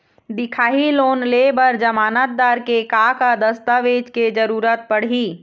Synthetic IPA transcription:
d̪ikʰaːɦilonlebəɾd͡ʒəmanət̪̚d̪aɾkekakad̪əst̪aʋed͡ʒked͡ʒəɾuɾət̪̚pəɽ̤ɦi

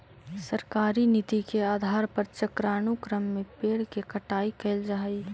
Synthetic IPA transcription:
səɾkaːɾinit̪ikeaːd̪ʱaːɾpəɾt͡ʃəkɾaːnukɾəmːẽpeːɽkekəʈaːikɛːld͡ʒaːi

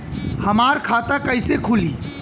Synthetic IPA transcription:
həmaɾkʰat̪akəɪsekʰuli

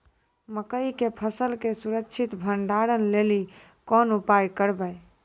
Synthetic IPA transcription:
məkəikepʰəsəlkesuɾəkːt͡ʃʰit̪bʱəɳɖaɽənleli | kɔnupajkəɾbəj

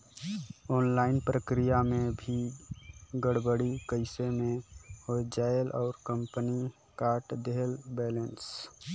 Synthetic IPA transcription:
ɔːnlaːɪnpɾəkɾijamẽbʱi | ɡəɽbəɽikəɪsemẽhod͡ʒaːjlʔɔ̰ːɾkəmpəni | kaːɾʈd̪elbɛːləns

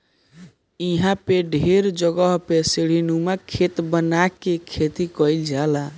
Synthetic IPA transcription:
iɦãpeɖʱeɾd͡ʒəɡəɦpeseɽ̤inumakʰet̪bənakekʰet̪ikəjld͡ʒala

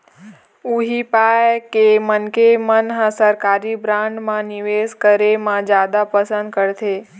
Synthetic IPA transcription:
uɦipajkemənkemənɦə̃səɾkaɾibɾãɳɖmãniʋeskəɾemãd͡ʒjad̪apəsənd̪̚kəɽt̪ʰe

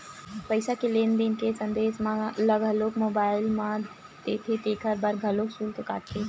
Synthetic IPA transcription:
pəɪsakelend̪enkesənd̪eːzmãləɡʱəlokmobaɪlmã | d̪̥et̪ʰet̪ekʰəɾbəɾɡʱəloksuːlt̪əka̰ːʈ̚ke

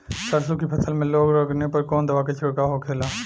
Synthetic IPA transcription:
səɾsõkipʰɐsəlmẽloːɡɾɐkʰnepɐɾkɔːnd̪əʋaːket͡ʃʰʊɽkaɦokʰeːlaː

